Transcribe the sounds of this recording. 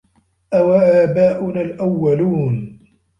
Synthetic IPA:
ʔawaʔaːbaːʔʊnalʔawːaluːn

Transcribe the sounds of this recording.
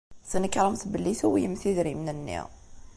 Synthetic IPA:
θənəkːɾˤəmθbəlːiθuwijəmθiðɾimnənːḭʁ

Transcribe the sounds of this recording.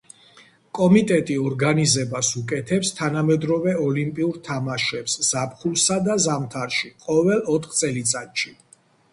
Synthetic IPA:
kʼɔmit̪ʼɛt̪ʼiɔɾɡanizɛbasukʼɛt̪ʰɛpst̪ʰanamɛd̪ɾɔvɛɔlimpʼiuɾt̪ʰamaʃɛpsz̥apχulˠsad̪azamt̪ʰaɾʃiqʼɔvɛlˠɔt̪ʰχt̪sʼɛlit̪sʼat̪ʃi

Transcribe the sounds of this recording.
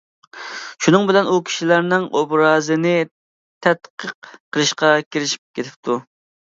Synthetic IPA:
ʃunɨŋbɪlɛnukʲʰi̥ʃilæɾnɪŋʔobɾɑːzɨnɪ | t̪ʰɛt̪qʰəqqʰːəlˠɨʃqɑkʲʰiɾɪʃi̥p̚kʲʰet̪ʰɪ̥p̚t̪ʰu

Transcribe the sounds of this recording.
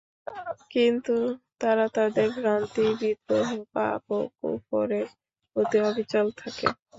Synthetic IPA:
kint̪ut̪aɾat̪ad̪eɾɡɾant̪ibid̪ɾoɦopa̰poko̰pɔɾe | ot̪iobʱit͡ɕalt̪ʰakḛ

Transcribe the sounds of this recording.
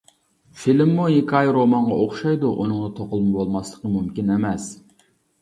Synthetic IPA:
filɪmːujikʰʲɑjɾomɑɴʁɑʔoχʃɑjd̪uʔunɨŋnɨt̪ʰoqəlˠmɨbolˠmɑslˠəqəmumkʲinemɛs

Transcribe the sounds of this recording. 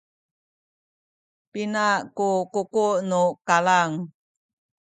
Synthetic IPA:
pinaʔkukukuʔnukalaŋ

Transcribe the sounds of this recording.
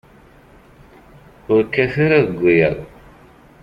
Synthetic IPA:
ʊɾkːæθaɾaðəɡʷːijəðˤ

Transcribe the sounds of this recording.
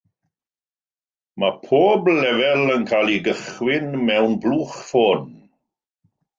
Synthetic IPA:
mapʰoːblɛvɛlənkʰalˠiɡəχwɪnmɛwnbluːχfoːn

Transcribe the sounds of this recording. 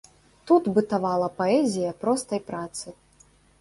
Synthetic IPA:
t̪ut̪bɨt̪avalˠɐpɐɛzʲijɐpɾɔst̪ɐjpɾat̪sɨ

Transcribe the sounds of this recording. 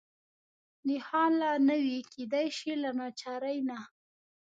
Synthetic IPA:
nɪhɑlanəwiked̪ajʃilanɑt͡ʃɑɾəjna

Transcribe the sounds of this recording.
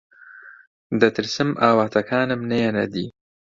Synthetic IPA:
d̪ɐt̪ʰɨɾsɨmʔaːwaːt̪ʰɐkʰaːnɨmnɐjanɐd̪ḭː

